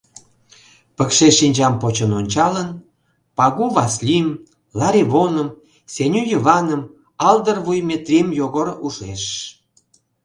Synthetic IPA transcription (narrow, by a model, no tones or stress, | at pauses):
pəkʃeʃinʲd͡ʑɑmpot͡ɕənonʲt͡ɕɑlən | pɑɣuβɑslʲim | lɑɾʲiβonəm | senʲyjəvɑnəm | ɑld̪ərvujmʲet̪rʲimjoɣoɾuʃeʃ